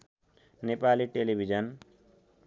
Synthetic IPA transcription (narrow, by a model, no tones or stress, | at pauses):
nepaliʈelibʱid͡ʒʌn